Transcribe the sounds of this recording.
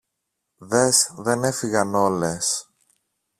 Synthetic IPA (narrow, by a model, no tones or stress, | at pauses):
ðe̞sðe̞ne̞fiɣɐno̞les